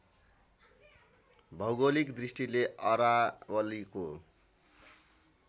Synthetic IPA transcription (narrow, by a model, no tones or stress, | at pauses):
bʱʌwɡolikd̪risʈileʔʌɾawʌliko